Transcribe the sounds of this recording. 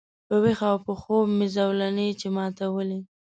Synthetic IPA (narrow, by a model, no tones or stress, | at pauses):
pəwexawpəxomɪzawlanet͡ʃemɑt̪awəli